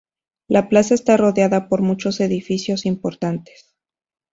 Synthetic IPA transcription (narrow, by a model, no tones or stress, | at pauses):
lʔaplasae̞st̪aro̞ðjaðapo̞ɾmut͡ʃo̞se̞ðifisjo̞simpo̞ɾt̪ant̪es